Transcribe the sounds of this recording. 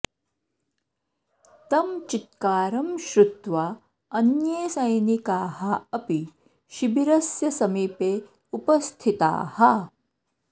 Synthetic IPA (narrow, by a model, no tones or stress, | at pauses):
t̪ɐmt͡ʃit̪̚kaːɾɐmʃɾut̪ʋaː | ɐnjeːsɐjnikaːɦɐɐpi | ʃibiɾɐsjɐsɐmiːpeː | upɐst̪ʰit̪a̰ːhɐ